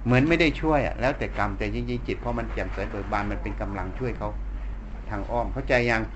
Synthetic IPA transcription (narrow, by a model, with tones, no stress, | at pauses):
mɯ˩˦ənma˥˩jda˥˩jt͡ɕʰu˥˩əjʔa̰˨˩lɛː˦˥wt̪ɛː˨˩ka˧mt̪ɛː˨˩t͡ɕi˧ŋt͡ɕi˧ŋt͡ɕi˨˩t̪̚pʰɔ˧˥ma˧nkɛː˨˩mkɤː˨˩t̪̚bɤː˨˩t̪̚baː˧˩nma˧npe˧nka˧mla˧ŋt͡ɕʰu˥˩əjkʰa˦˥w | t̪ʰaː˧˩ŋʔɔː˥˩mkʰa˥˩wt͡ɕa˧jːa˧ŋ